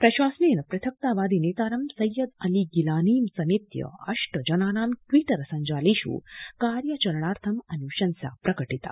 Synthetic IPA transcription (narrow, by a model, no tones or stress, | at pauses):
pɾɐʃwaːsninɐpɾɐt̪ʰɐk̚t̪aːʋaːd̪ineːt̪aːɾɐmsɐjːɐd̪ɐliɡilaːniːmsɐmit̪jɐ̰ɐ̰ʂʈəd͡ʒɐnaːnaːmʈʋiːʈɐɾsɐɲd͡ʒaːliʃṵːkaːɾjɐt͡ʃɐɾɐɳaːɾt̪ʰɐmɐniuʃɐnsja̰ːpɾɐkəʈit̪a̰ː